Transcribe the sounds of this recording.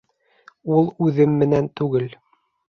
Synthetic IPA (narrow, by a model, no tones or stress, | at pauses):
ulˠʉðɘmːɘ̆nænt̪ʉɡɘl